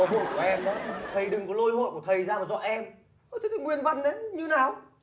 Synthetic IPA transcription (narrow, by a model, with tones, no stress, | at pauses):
ɦṵ˧˨nku˧˩əʔɛ˧mɗɔ˨˦t̪ʰə˨˩jɗɨ˨˩ŋkɔ˨˦lo˧jho̰˧˨jku˧˩ət̪ʰə˨˩jzaː˧maː˨˩zɔ̰˧˨ʔɛ˧m | ʔt̪ʰi˨˦t̪ʰːŋwi˨˩ənvə˨˧˩nɗe˨˦ɲɨ˧naː˨˩w